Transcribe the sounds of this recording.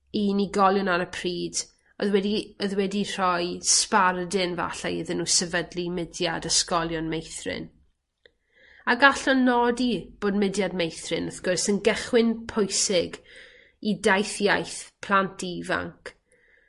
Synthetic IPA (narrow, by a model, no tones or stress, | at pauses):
iːniɡɔlˠjʊnaɾəpʰriːd | ɔðwɛdiɔðwɛdir̥ɔjspardɪnva̰ɬa̰iðɪnːusəvədlimɪdjadəskɔlˠjɔnmejθrɪ̰n | aɡaɬɔnɔdib̥oːdmɪdjadmejθrɪnəθɡ̥ʊrsənɡɛχwɪnpʰʊjsɪɡ | idajθjajθpʰl̥ˠantʰiva̰ŋkʰ